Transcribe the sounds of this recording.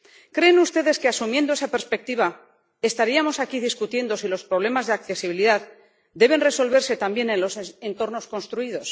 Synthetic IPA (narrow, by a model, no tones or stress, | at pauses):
kɾe̞ːnust̪e̞ðe̞ske̞asumje̞nd̪oesape̞ɾspe̞k̚t̪iβa | e̞st̪aɾiamo̞sakiðiskut̪je̞nd̪o̞silo̞spɾo̞β̞le̞mazðe̞akθe̞siβ̞iliðað | d̪e̞β̞e̞nre̞so̞lβe̞ɾse̞t̪ambje̞nenlo̞sent̪o̞ɾno̞sko̞nst̪ɾuið̞o̞s